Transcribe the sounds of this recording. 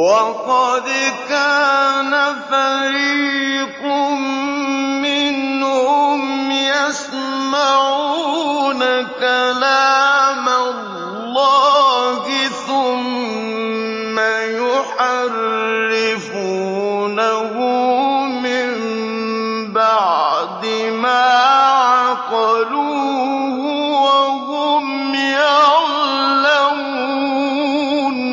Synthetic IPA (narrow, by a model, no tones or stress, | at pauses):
wɑqɑd̪kaːnafaɾiːqʊmmɪnhʊmjas | maʕuːnakalaːma | llːɑːhɪθʊm | ajʊħarːɪf | uːnahʊmɪmm | baʕd̪ɪmaːʕaqɑluːhʊwahʊm | ja | law | u | n